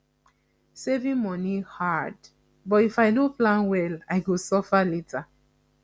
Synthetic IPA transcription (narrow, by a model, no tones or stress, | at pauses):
sevĩmɔnihad | bɔtifaɪnoplãnwɛlajɡosɔfaletʰa